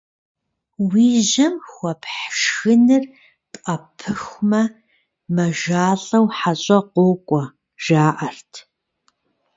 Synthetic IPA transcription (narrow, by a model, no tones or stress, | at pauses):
wiːʒɐmxʷɔpʰħʃxɨnɨr | tʼqɐpʰɨxʷmɐ | mɐʒaːɬɐwħaɕʼɐqʷʊːkʷʼɔ | ʒ̥aːʔɐrtʰ